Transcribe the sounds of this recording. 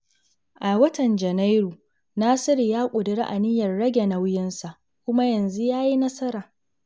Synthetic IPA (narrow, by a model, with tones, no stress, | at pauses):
ʔa˨wɐ˦tɐ˨nd͡ʒɐ˨na˦jɾu˨ | naː˦sɪ˦ɾi˨jaː˦kʷʼʊ˨dɪ˨ɾḭ˦ʔa˨nɪ˦jɐ˨rɽɐ˦ɡʲe˨na˨wʊ˦jɪ˦nsa˨ʔ | kʷʊ˦ma˦jɐ˨nzu˦jaː˦ji˦nɐ˦sɐ˦ɾaː˨